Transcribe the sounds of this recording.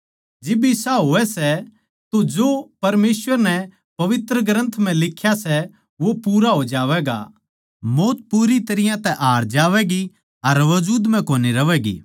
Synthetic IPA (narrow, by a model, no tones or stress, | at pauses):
d͡ʒɪbɪsaɦoːɛsɛ | t̪od͡ʒoːpɐɾmeːsʋəɾnɛ | pɐʋɪt̪ɾəɡɾə̃nt̪ʰm̤ɛ̃lɪkʰːjasɛ | ʋopuːɾaɦod͡ʒaːʋɛːɡa̰ | moːt̪̚puːɾit̪ɐɾɪjãt̪ɛʔaːɾd͡ʒaːʋɛɡi | ɐɾʋɐd͡ʒuːd̪m̤ɛ̃koːniɾɐʋɛːɡḭː